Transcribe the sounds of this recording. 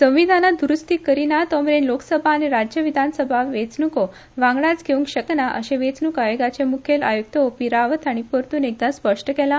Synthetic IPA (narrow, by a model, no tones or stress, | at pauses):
sə̃ʋ̃ʋid̪ʱanad̪uɾust̪ikəɾinat̪ɔmɾenlokə̥səbʱaːniɾad͡ʑjəʋid̪ʱansəbʱaʋet͡snuko | ʋãŋɡɭat͡sɡʱeũŋkɕəknaʔə̰ɕẽʋet͡snukaʋeɡat͡ɕemukʰjela̰juk̚t̪əopiɾaʋət̪ʰaɽ̃ipəɾt̪uːnek̚d̪aspəʂʈəkɛlã